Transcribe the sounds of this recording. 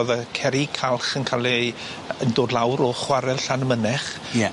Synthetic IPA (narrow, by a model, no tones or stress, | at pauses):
ðəkʰɛɾikʰalˠχənkʰalˠi | əndoːdlˠawɾɔχwaɾɛlˠɬanəmənɛχ